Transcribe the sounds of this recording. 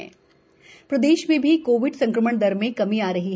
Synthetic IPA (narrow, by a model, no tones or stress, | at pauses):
pɾɐd̪eːʃmẽbʱikoːʋɪɖsɐ̃ŋkɾəməɳ̃d̪ɐɾmẽkɐmiaːɾɐɦiɦ